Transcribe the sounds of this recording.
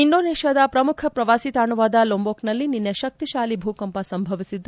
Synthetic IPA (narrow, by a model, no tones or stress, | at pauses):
inɖoːneːʃad̪ɐpɾɐmukʰɐpɾɐʋaːsit̪aːɳuʋaːd̪ɐloːmboːknɐlːininːɐʃɐk̚t̪iʃaːlibʱuːkɐmpɐsɐmbʱɐʋisid̪ːu